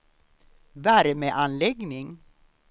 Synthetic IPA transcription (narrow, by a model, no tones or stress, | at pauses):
væɾmɛʔanlɛɡnɪŋ